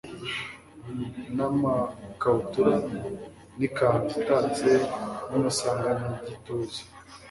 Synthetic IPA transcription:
namakautuɾa | nikahakitat͡senumasaːŋɡaniɟitoze̥

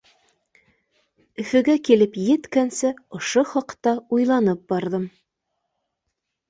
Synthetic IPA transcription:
ɵ̆fɵ̆ɡækilɘpjɘ̆t̪kænsɘŏʃoχɑqt̪ɑujlˠɑnɤp̚bɑɾðɤm

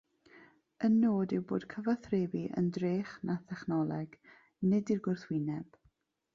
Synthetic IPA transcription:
ənːoːdɪwbo̰ːd̥kʰəvaθreːviʔə̰ndreːχnaθɛχnɔlˠɛɡ̥ | nɪdirɡʊrθwɪnɛb̥

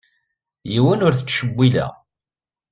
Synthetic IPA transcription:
jiwənʊɾθət͡sːʃəbʷːilæ̰

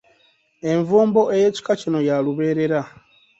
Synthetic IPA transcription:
e̞ɱvuːmbo̞ʔe̞je̞ːci̥kacino̞jaluβe̞ːɾe̞ɾa

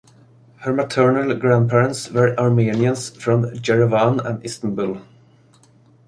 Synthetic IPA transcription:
həɹmat̪ʰɜɹnəlɡɹæ̃nd̪̚pʰɛɹə̃nt̪svəɹʔɑɹmiːnɪə̃nsfɹɔ̃md͡ʒɛɹəvanæ̰̃nɪst̪ə̃nbʊl

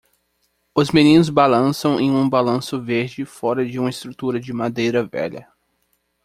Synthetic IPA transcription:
ʊzmẽnĩnʊzbalɐ̃sɐ̃w̃ʔẽj̃ũbalɐ̃sʊveɾd͡ʒɪfɔɾɐd͡ʒɪũmɐɪst̪ɾut̪uɾɐd͡ʒɪmad̪ejɾɐvɛ̰ʎɐ̰

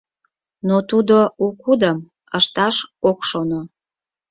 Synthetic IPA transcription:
not̪ud̪oukud̪əm | əʃt̪ɑʃokʃono

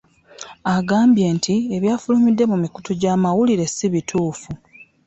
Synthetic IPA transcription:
aɡaːmbje̞ːntʰieβjaːfulumidːe̞mumikutuɟaːmawuliɾe̞siβitʰuːfu

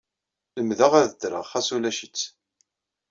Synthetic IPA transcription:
ləmðəʁæðəd̪ɾə̰ʁχæsulæʃət͡sː

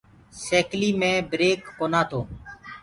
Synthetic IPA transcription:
seːkliːmẽːbɾeːkːoːnãːt̪ʰoː

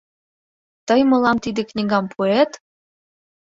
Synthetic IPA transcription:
t̪ɤjmɤ̆lɑmt̪id̪eknʲiɡɑmpʰuet̪

